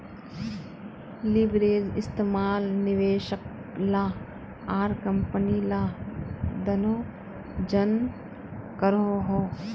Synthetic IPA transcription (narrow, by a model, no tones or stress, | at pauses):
libɾeːd͡ʒɪst̪eːmaːlnɪʋeːʃək̚ | laː | aːɾkɐ̃mpənila | d̪ɐnoː | d͡ʒɐn | kəɾoɦoː